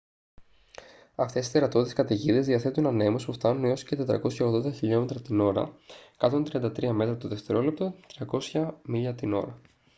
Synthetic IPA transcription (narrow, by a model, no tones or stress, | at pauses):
ɐft̪esi̥t̪e̞ɾɐt̪ot̪it̪eskɐt̪iʝiðe̞zðiɐθet̪unɐne̞mospuft̪ɐnuneosce̞t̪e̞t̪ɾɐ̰ko̞sçɐoɣðo̞nd̪ɐçiʎo̞me̞t̪ɾɐt̪ino̞ɾɐ̰kɐt̪ont̪ɾiɐnd̪ɐt̪ɾiɐme̞t̪ɾɐt̪oðeft̪e̞ɾo̞lep̚t̪ot̪ɾiɐko̞sçɐmiʎɐt̪ino̞ɾɐ